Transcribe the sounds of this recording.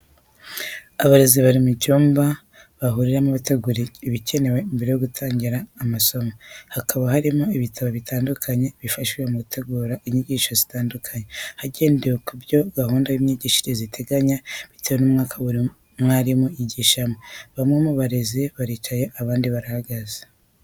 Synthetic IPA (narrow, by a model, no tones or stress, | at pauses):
aβaɾe̞ziβaɾimucuːmba | βaɦuɾiɾamuβate̞ɡuɾiiβice̞ne̞we̞imbe̞ɾe̞joɡutʰaːɲɟiɾaːmaso̞mohakʰaβahaɾimoiβitʰaβoβitaːndukʰaɲe̞βifaʃwijemukutʰe̞ɡuːɾaʔiɲiɟiːʃozitaːndukʰaɲehaɟe̞ːndewekubjo̞ɡahuːndawiɲiɟiːʃiɾezitʰe̞ɡaɲaβitewenuːmŋaːkʰaβuɾi | mwaɾimuiɟiʃamoβamŋemuβaɾe̞ziβaɾiːt͡ʃaje̞ʔaβaːndiβaɾahaɡaze̥